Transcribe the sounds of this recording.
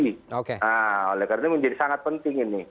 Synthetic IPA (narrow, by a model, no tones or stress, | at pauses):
iokeaolɛhkarnaməɲd͡ʒadisaŋat̪̚pənt̪ɪŋinɪ